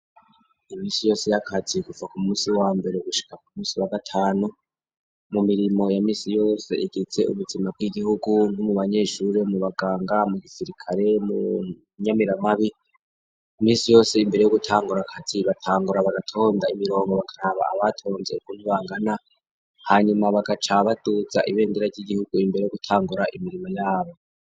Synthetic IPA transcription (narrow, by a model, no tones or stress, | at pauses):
imiːsijo̞ːse̞jakʰat͡siɡuvakumuːsiwaːmbe̞ɾeɡuʃi̥kakumuːsiwaɡatʰaːnu | mumiɾimo̞jamiːsijo̞ːse̞̰ʔeɡet͡se̞̰ṵβutimab̚ɡiɡihuɡuŋɡumuβaɲe̞ːʃuɾemuβaɡaːŋɡamuɡisiɾikʰaɾe̞mu | ɲamiɾamaβi | miːsijo̞ːse̞imbe̞ɾe̞joɡutʰaːŋɡuɾakatʰiβatʰaːŋɡuɾaβaɡatʰo̞ːndaimiɾo̞ːŋɡoβakʰaɾaβa̰a̰βatʰo̞ːnzeukunuβaːŋɡana | haɲumaβaɡat͡ʃaβatud͡zaʔiβe̞ːndeɾaɾɟiɟihuɡuimbe̞ɾe̞joɡutʰaːŋɡuɾaʔimiɾimo̞jaːβo̞